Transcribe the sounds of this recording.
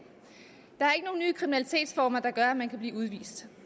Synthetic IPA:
d̥ɑ̈æɐe̝ɡ̥əno̝ːn̩nyːkʰʁiminælit͡sʰe̝̰ːd̥sfɒːmɐd̥ɑ̈ɡ̥ɶɐæmænkʰæb̥liːuð̞ˠʋḭːsd̥

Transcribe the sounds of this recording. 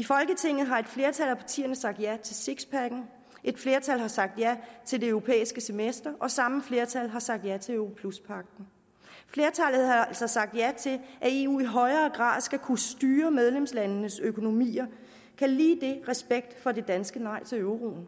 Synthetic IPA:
ifɒ̽lɡ̥ət͡sʰe̝ŋ̰ð̩ˠɦɑ̈e̝d̥fle̝ɐt͡sʰælæpʰɑ̈t͡sʰḭːɐnəsɑ̈ɡ̥̚d̥jæt͡sʰe̝seɡ̥spʰæɡ̥n̩ | ʔe̝d̥fle̝ːɐt͡sʰæl̰ɦɑ̈sɑ̈ɡ̥̚d̥jæt͡sʰe̝ld̥e̝øʊʁo̝pʰḛːisɡ̥əsemesd̥ɐʔɒ̽sɑ̈məfle̝ːɐt͡sʰælɦɑ̈sɑ̈ɡ̥̚d̥jæt͡sʰe̝øpʰluspʰɑ̈ɡ̥̚d̥n̩ | fle̝ɐt͡sʰælð̩ˠhɑælsɐsɑ̈ɡ̥̚d̥jæt͡sʰe̝lʔæe̝ːṵːiɦɒ̽ɪɐːɡ̥ʁɑ̰̈ːðˠsɡ̥ækʰusd̥yːɐmeð̞ˠlemslænnəsøkʰo̝no̝mḭːɐ | kʰæliːd̥e̝ʁɛsb̥eɡ̥̚d̥fɒ̽de̝d̥ænsɡ̥ənɑ̈ɪ̰t͡sʰe̝øʊʁo̝̰ːn̩

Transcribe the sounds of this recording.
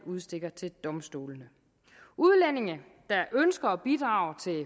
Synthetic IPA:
uð̞ˠsd̥e̝ɡ̥ɐt͡sʰe̝ld̥ɒ̽msd̥o̝̰ːlnə | uðˠlen̰e̝ŋə | d̥ɑ̈ʔønsɡ̥ɐɒb̥id̥ʁɑ̈ːʊt͡sʰe̝

